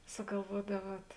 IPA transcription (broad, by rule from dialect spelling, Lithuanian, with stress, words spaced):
sʊɡɐlˠˈʋuɔdɐˌʋuɔt